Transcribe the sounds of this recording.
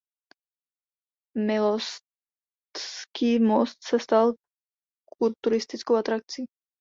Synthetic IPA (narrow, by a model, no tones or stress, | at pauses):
mɪlos | tskiːmost̪sɛst̪al | kult̪uɾɪst̪ɪt͡skowat̪ɾak̚t͡si